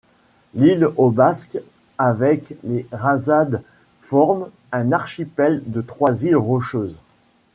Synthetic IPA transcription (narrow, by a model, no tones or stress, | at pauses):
lilobask | avɛkleʁazad̪ | fɔʁm | ɛ̃naʁʃipɛld̪ət̪χwazilʁɔʃøːz